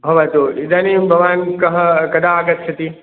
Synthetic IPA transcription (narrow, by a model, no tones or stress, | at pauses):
bʱɐʋat̪oid̪anibʱɐʋaːnkɐɦkɐd̪aːɡət̪̚t͡ʃʰɐt̪i